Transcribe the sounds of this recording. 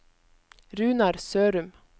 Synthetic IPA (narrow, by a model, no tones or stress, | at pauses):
ɾʉːnɑɾsøːɾʉm